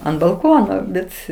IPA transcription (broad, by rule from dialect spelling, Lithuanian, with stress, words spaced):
ɐnt bɐlˠˈkoːnoː ˈbʲɛt